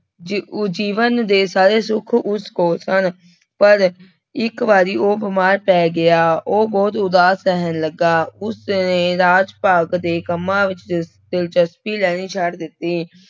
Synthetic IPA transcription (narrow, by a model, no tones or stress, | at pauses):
d͡ʒiːʋənd̪eːsaːɾeːsʊkʰʊskoːlsən | pəɾ | ɪkʋaːɾiːoːbɪmaːɾpɛːɡɪaːʔoːbɔːt̪ʊd̪aːsɛːɦənləɡaːʊsneːɾaːd͡ʒpaːɡd̪eːkəmːãːʋɪt͡ʃ | d̪̥ɪlt͡ʃəspiːlɛːɽ̃iːt͡ʃʰəɽd̪ɪt̪ːiː